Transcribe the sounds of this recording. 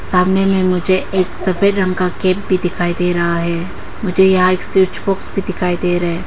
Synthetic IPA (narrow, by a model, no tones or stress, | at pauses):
saːmnemẽmʊd͡ʒʱeeːksɐfʰeɾɐ̃ŋkakeːp̚bʱid̪ɪkʰaːid̪eɾɐɦaɦɛː | mʊd͡ʒʱejɐɦãeːksiʊt͡ʃboːksbʱid̪ɪkʰaːid̪eɾɐɦeː